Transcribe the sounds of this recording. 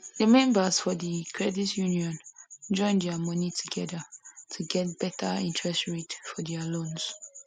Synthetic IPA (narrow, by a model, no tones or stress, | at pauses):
dəmɛ̃mbəz̥fɔðəkʰɹɛditjuniɔ̃nd͡ʒɔ̃ɪ̃ndɛmʌnitʰuɡɛdətʰuɡɛt̚b̥ɛtʰəĩntʰɹɛstɹetfɔdɛəlõnz̥